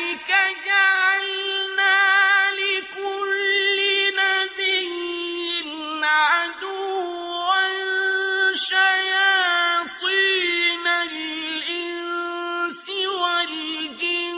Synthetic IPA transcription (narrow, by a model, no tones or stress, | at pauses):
ikaɡalnalikulinabejin̩nadu | wan | ʃajatinaɾilin | siwãɾiɡĩ